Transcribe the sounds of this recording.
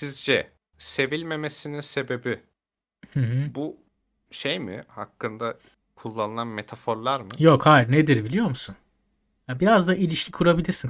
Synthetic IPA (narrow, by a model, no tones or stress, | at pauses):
sizd͡ʒɛ | se̞vilʲme̞me̞sininse̞be̞bi | hɯ̃ɦɯbu | ʃejmɪ̰hakːɯnd̪a | kʰulˠːanɯlanme̞t̪ʰafo̞ɾlˠaɾmɯjo̞khajɾned̪iɾbilʲijo̞ɾmusun | jabiɾazd̪aʔilʲiʃcʰikʰuɾabilʲiɾsin